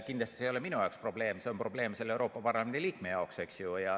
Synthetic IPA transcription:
kind̪lɑst̪ise̞joleminujɑokspro̞b̥le̞ːmseo̞mpro̞b̥le̞ːmselːewɾo̞ːpːɑpɑrlɑmend̪iliːkme̞jɑokse̞ksjujɑ

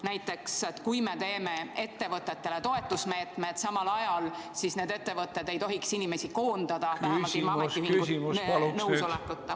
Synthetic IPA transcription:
næjt̪ːˑe̞kset̪kujme̞t̪e̞ːme̞e̞t̪ːe̞vɤt̪ːˑe̞t̪ːe̞le̞t̪o̞e̞t̪ːˑusme̞ːt̪me̞d̪̥sɑmɑlɑjɑlsisne̞ːd̪e̞t̪ːe̞vɤt̪ːˑe̞d̪e̞jt̪o̞ɦiksinime̞siko̞ːnd̪̥ɑd̪̥ɑtæhmɑimɑmet̪ːimiŋɡusimunɤwsolekːˑut̪ː

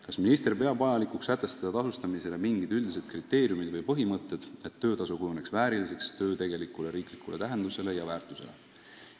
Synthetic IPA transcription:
kɑsminist̪e̞rpe̞ɑbɑjɑlikuksæt̪ːˑe̞st̪ɑd̪ɑt̪ɑsust̪ɑmise̞le̞miŋɡid̪̥yld̪is̬e̞d̪̥krit̪ːe̞ːɾjumid̪̥vɤjpɤɦimɤt̪ːˑe̞d̪̥e̞t̪ːø̞ːt̪ɑsukujune̞ksvæːɾilise̞kst̪ø̞ːt̪e̞ɡ̥e̞likːˑule̞ɾiːklikːˑule̞t̪æɦe̞nd̪use̞le̞jɑvæːrt̪ːˑuse̞le̞̰

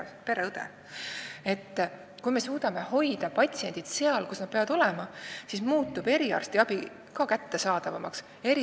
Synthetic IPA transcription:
peɾeɯd̪ḛ | e̞t̪ː | kujme̞suːd̪̥ɑme̞ho̞jd̪̥ɑpɑt̪ʲsie̞nʲd̪̥id̪̥se̞ɑlkusnɑd̪̥̚peɑɑd̪o̞lemɑsismuːt̪ːˑub̥e̞ɾiɑ̰rst̪iɑb̥i | kɑkæt̪ːe̞sɑːd̪̥ɑvɑmɑ̰ks | e̞ɾi

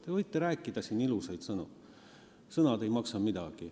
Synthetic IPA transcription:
t̪evɤjt̪ːˑeɾæːkːˑid̪̥ɑsiːnilusɑjd̪sɤnṵ | sɤnɑd̪ejmɑksɑmid̪̥ɑɡ̥i

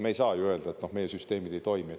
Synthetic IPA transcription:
meejsɑːjuø̞ld̪ɑe̞t̪no̞hme̞jesyst̪e̞ːmid̪̥e̞jt̪o̞jmie

